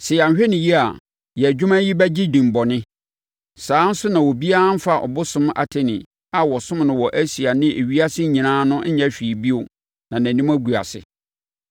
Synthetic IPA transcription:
sɪ˨ja˨ɲ˨ɕᶣɛ˦nɪ̃˨ji˦a˨ | jɛ˨æ˨d͡ʑᶣu˦mã˦ji˦bæ˦d͡ʑi˦dĩ˨m˨bɔ˨nɪ̃˦ | sãː˨˦n̩˦sʊ˦nã˨wɔ˨bi˦a˦a˦m̩˦fa˨ʔɔ̰˨bʊ˦sʊ̃˦ma̰˨tʰe˨nɪ̃˨ | a˨wɔ˨sʊ̃˦mnʊ̃˨wɔ˨ʔæ˦si˨a˨nɪ̃˦ʔe˨ɥi˦a˦sɪ˦ɲĩ˨nãː˦nʊ̃˦ɲɛ̃˦ɕᶣi˨bi˦o˨ | nã˨næ̃˨nĩ˦mæ˦ɡu˨a̰˨sɪ̰˨

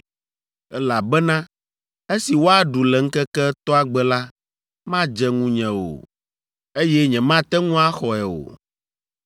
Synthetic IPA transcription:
ɛ˦la˨bɛ˦nã˦ | e˦si˨wo˦a˨ɖu˨lɛ˨ŋ̩˦kɛ˦kɛ˦t̪ɔ˦a˨ɡ͡bɛ˦la˦ | mã˦d͡ʒɛ˦ŋũ˦ɲɛ̃˨o̰˨ | e˦jɛ˦ɲɛ̃˨mã˦t̪ɛ˦ŋũ˦a˦xɔ˨ɛ˨o̰˨

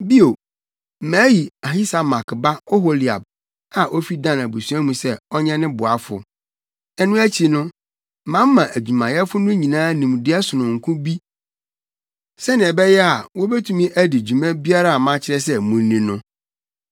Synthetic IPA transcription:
bi˦o˨ | mæ̃ː˨˦ji˨a˨ɦi˦sa˨mã˨kʰɪ˨ba˦ɔ˦ɦo˦li˨a̰˨b̚ | a˨ʔo˦fi˦dã˦˨næ˨bu˨su˦æ˦mũ˨sɛ˦ɔ˦ɲɛ̃˦nɪ̃˦bʊ˨a˦fʊ̰˨ | ɛ˦nʊ̃˦æ˦t͡ɕʰi˨nʊ̃˦˨ | mã˦m˦mã˨ʔæ˨d͡ʑᶣu˨mã˨jɛ˦fʊ˦nʊ̃˦ɲĩ˨nãː˦nĩ˨m˨dɪ˦ɛ˦sʊ˨nʊ̃˨ŋ̩˨kʰũ˦bi˦ | sɛ˦nɪ̃˨ɛ˨bɛ˦jɛ˦a˨wɔ˦bɛ˦tʰũ˨mĩ˦ʔæ˦dɪ˨d͡ʑᶣu˨mɛ̃˦bi˦a˦ɾa˨a˨mã˦t͡ɕʰɪ˦ɾɛ˦s̬ɛ˦mũ˨˦nĩ˨nʊ̃˦

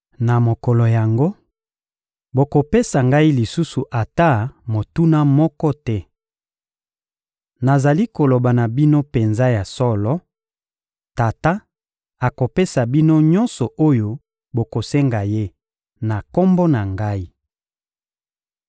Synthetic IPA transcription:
na˨mo˨kɔ˨lɔ˨ja˨ŋɡo˦ | bo˨ko˨pe˦sa˨ŋɡa˦i˦li˨su˦su˨ʔa˨ta˦˨mo˨tu˦na˦mɔ˦kɔ˦tɛ˦ | na˨za˨li˦ko˨lo˨ba˨na˨bi˦no˦pe˨nza˦ja˨sɔ˦lɔ˦ | ta˨ta˦ | a˨ko˨pe˦sa˨bi˦no˦ɲɔ˦nsɔ˨ʔo˦jo˦ | bo˨ko˨sɛ˦ŋɡa˨je˦ | na˨ko˦mbo˦na˨ŋɡa˦i˦

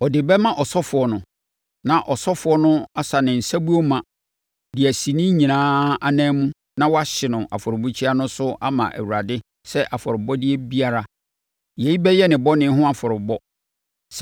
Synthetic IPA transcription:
ɔ˨dɪ˨bɛ˦mã˦ʔɔ˨sɔ˦fʊ˨ɔ˨nʊ̃˨ | nã˨ʔɔ˨sɔ˦fʊ˨ɔ˦nʊ̃˦a˦sa˨nɪ̃˨n̩˨sæ˦bu˦o˦mã˨ | dɪ˨æ˨si˨nɪ̃˦ɲĩ˨nãː˦a˨nã˦mũ˦ | nã˦wɔ˦a˦ɕɪ˨nʊ̃˨ʔa̰˨fɔ˨ɾʊ˨bu˦t͡ɕʰi˦a˦nʊ̃˦sʊ˦a̰˦mã̰˨ʔæ̰˨wu˨a˨dɪ˦ | sɛ˦ʔa˨fɔ˨ɾʊ˨bɔ˦dɪ˦ɛ˦bi˦a˦ɾa˦ | je˨i˦bɛ˦jɛ˦nɪ̃˨bɔ˦nɪ̃˦ɦʊ̃˦a˨fɔ˨ɾʊ˨bɔ˦ | s

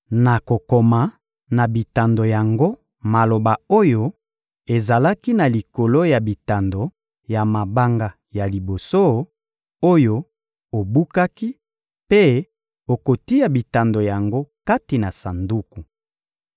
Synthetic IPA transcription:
na˨ko˨ko˨ma˨ | na˨bi˨ta˨ndo˨ja˨ŋɡo˦ | ma˨lo˨ba˨o˦jo˦ | e˨za˨la˦ki˦na˨li˨ko˨lo˦ja˨bi˨ta˨ndo˨ | ja˨ma˨ba˦ŋɡa˨ | ja˨li˨bo˨so˦ | o˦jo˦ | o˨bu˦ka˦ki˦ | pe˦ | o˨ko˨ti˦ja˨bi˨ta˨ndo˨ja˨ŋɡo˦ka˦ti˨na˨sa˨ndu˦ku˨

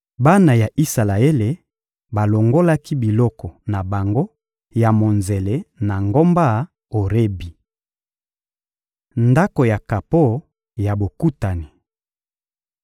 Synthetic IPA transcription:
ba˦na˨ja˨ʔi˦sa˨la˨e˦le˨ | ba˨lo˨ŋɡo˦la˦ki˦bi˨lɔ˦kɔ˨na˨ba˨ŋɡo˦ | ja˨mo˨nze˨le˨na˨ŋɡo˦mba˦˨ | o˨ʁe˦bi˨ | nda˦ko˨ja˨ka˨po˦˨˦ | ja˨bo˨ku˦ta˨ni˨

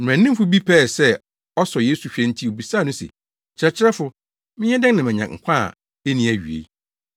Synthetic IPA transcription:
ñ˨æ̃˨nɪ̃˦m˦fʊ˦bi˦pʰɛ˦˨sɛ˦ | ɔ˦sɔ˨jeː˦su˨ɕᶣɛ̃˦n̩˦tʰi˦o˨bi˨saː˦˨nʊ̃˦sḛ˨ | t͡ɕʰɪ˨ɾɛ˨t͡ɕʰɪ˦ɾɛ˦fʊ˦ | mɪ̃˦ɲɛ˦dɛ̃˦ŋnã˨mɛ̃˨ɲã̰˨ŋ̩˨kʷʰã̰˦˨ | e˦nĩ˨˦æ˨ɥi˨ḛ˨˦

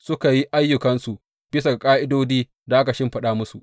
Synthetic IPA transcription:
sʊ˦ka˨ji˦ʔa˦jːʊ˨kɐ˦nsu˨ | b̥ɪ˦sa˨ɡkʼaː˦ʔɪ˦doː˦diː˦ | da˨ʔa˦ka˨ʃɪ˦mɸɐ˨ɗaː˦mʊ˦su˨ʔ

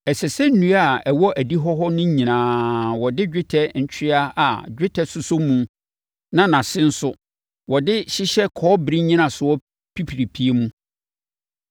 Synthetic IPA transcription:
ɛ˨sɛ˨sɛ˦n̩˦nũ˨˦aa˨ɛ˨wɔ˦ʔæ˨di˦ɦɔ˦ɦɔ˦nʊ̃˦ɲĩ˨nãː˨˦wɔ˨dɪ˦d͡ʑᶣɪ˦tʰɛ˨ɲ̩˨t͡ɕʰᶣɪ˦a˦a˨d͡ʑᶣɪ˦tʰɛ˨sʊ˦sʊ˦mũ˨˦ | nã˦nã˨sɪ̃˦n̩˦sʊ˦ | wɔ˨dɪ˦ɕɪ˦ɕɛ˦kʰɔː˨˦bɾi˦ɲĩ˦nã˨sʊ˨wɔ˦ | pʰi˦pʰi˨ɾi˨pʰi˦e˦mũ˦

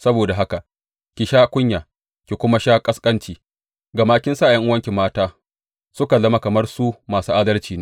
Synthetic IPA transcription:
sɐ˦boː˨da˨ɦa˦ka˨ʔ | kʲi˨ʃaː˦kʷʊ˦ɲjaː˨ | kʲi˨kʷʊ˦ma˦ʃaː˦kʼɐ˦skʼɐ˦nt͡ʃiː˨ | ɡa˨maː˦kʲɪ˦nsaː˦˨jɐ˦ŋʔʊ˦wɐ˦ŋkʲɪ˨mːaː˦taː˦ | sʊ˦ka˨lɐ˦ma˦kɐ˨mɐ˦rsu˦maː˨suː˦ʔaː˦dɐ˦rt͡ʃiː˨neː˦

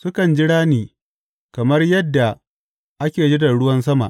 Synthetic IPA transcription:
sʊ˦kɐ˨nd͡ʒɪ˦ɽaː˦niː˨ | kɐ˨mɐ˦rjɐ˦dːa˨ | ʔa˦kʲeː˨d͡ʒi˦dɐ˨ɽʊ˦wɐ˦ns̬ɐ˦ma̰˨ʔ

